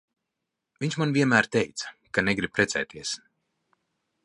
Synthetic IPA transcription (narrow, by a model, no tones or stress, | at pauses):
vʲiɲt͡ʃmanvʲiɛnmæːɾt̪ɛjt̪sḁkanɛɡɾib̥̚pɾɛsɛ̰ːt̪iɛs